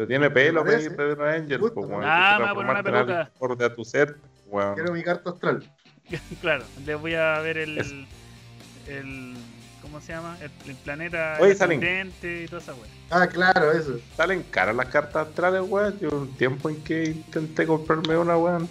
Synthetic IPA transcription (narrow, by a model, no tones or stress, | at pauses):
ot̪jenepelokɾeekepeðeɾoaɲʝelupowḛaamanapenalakoɾðeat̪useɾt̪epoweoneɾomikaɾt̪aot̪ɾal | klaɾoleβojaβeɾeles | elkomosejamaelelplanet̪aojsaleŋd̪ent̪eit̪oðesawe | aklaɾoes̬osaleŋka̰ɾalahkaɾt̪asoht̪ɾalezweʝont̪jempoeŋkeint̪ent̪ekompaɾmeunaweon